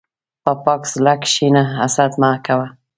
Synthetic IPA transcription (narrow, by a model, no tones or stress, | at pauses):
papɑkslakʃinaːsad̪makawa